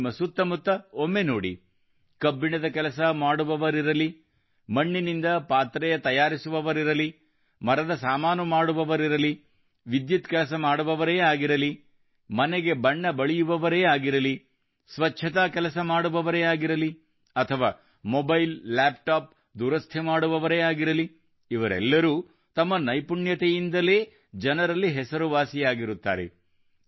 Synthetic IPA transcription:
mːɐsut̪ːɐmut̪ːɐomːe̞noːɽḭ | kɐbːiɳɐd̪ɐkɛlɐs̬ɐmaːɽuʋɐʋɐɾiɾɐli | mɐɳːinind̪ɐpaːt̪ɾɛjɐt̪ɐjaːɾisuʋɐʋɐɾiɾɐli | mɐɾɐd̪ɐsaːmaːnɐmaːɽuʋɐʋɐɾiɾɐli | ʋid̪jut̪kɛlɐs̬ɐmaːɽuʋɐʋɐɾeːaːɡiɾɐli | mɐneɡe̞bɐɳːɐbɐɭijuʋɐʋɐɾeːaːɡiɾɐli | sʋɐt͡ʃʃʰɐt̪aːkɛlɐsɐmaːɽuʋɐʋɐɾeaːɡiɾɐli | ɐt̪ʰɐʋaː | mobɐjlːaːpʈaːp̚ | d̪uːɾɐst̪ʰemaːɽuʋɐʋɐɾeːaːɡiɾɐli | iʋɐɾɛ̰lːɐɾuː | t̪ɐmːɐnɐjpuɳjɐt̪ejind̪ɐleː | d͡ʒɐnɐɾɐlːiɦɛsɐɾuʋaːsijaːɡiɾut̪ːa̰ːɾḛ

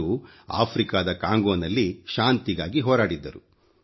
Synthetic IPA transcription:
u | a̰ːpʰɾikaːd̪ɐkaːŋɡoːnɐlːiʃaːnt̪iɡaːɡiɦɔːɾaːɽid̪ːɐɾu

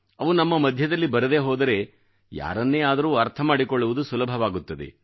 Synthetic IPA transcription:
ɐʋunɐmːɐmɐd̪ʱjɐd̪ɐlːibɐɾɐd̪e̞ːɦoːd̪ɐɾe̞ | ja̰ːɾɐnːeːaːd̪ɐɾuːɐɾt̪ʰɐmaːɽikoɭːuʋud̪usulɐbʱɐʋaːɡut̪ːɐd̪e̞̰

